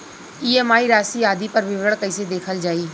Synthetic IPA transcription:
iːɛːmaːiɾaːsiaːd̪ipəɾʋɪʋɡəɭkəised̪eːkʰəld͡ʒaːiː

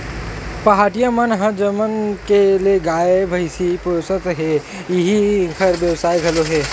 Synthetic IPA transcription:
pɐɦaːʈijamənɦə̃d͡ʒəmənkelieɡaːebʱɐɪsipʊɾsət̪ɦe | jɪɦĩkʰəɾbjɐʋsaːiɡʱɐloɦɛː

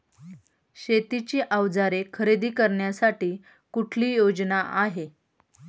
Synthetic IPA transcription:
ɕet̪it͡ɕiːʔaʋd͡zaɾekʰəɾed̪iːkəɾɳjasaʈiː | kuʈʰliːjod͡znaʔaɦe

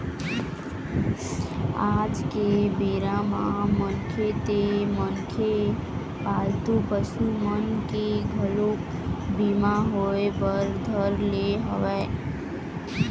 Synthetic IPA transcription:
aːd͡ʒkebeːɾamãmənkʰet̪emənkʰe | paːlt̪upəʃumənkeɡʱəlok | bimaɦoepəɾd̪ʱəɾleɦə̰ʋɛ

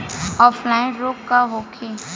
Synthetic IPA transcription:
ɔːflaɪ̃ɾoːkːaɦoːkʰe

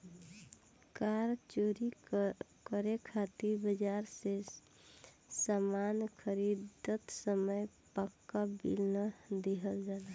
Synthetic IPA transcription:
kaɾt͡ʃoɾi | kəɾekʰat̪iɾbəd͡ʒaɾse | samankʰəɾid̪ət̪səməj | pəkːabḭlnəd̪eɦəld͡ʒaːla

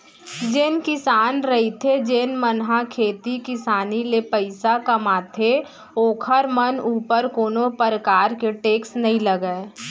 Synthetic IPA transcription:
d͡ʒɪnkɪsaːnɾəɦit̪ʰed͡ʒeːnmənɦakʰeːt̪ikɪsaːnilepəɪsakɐmaːt̪ʰe | oːkʰəɾmənuːpəɾkoːnopəɾəkaːɾkeʈeːksnɐɦĩləɡəe

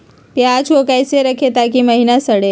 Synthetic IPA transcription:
pjat͡ʃʰokajseɾəkʰet̪akiməɦinasəɽe

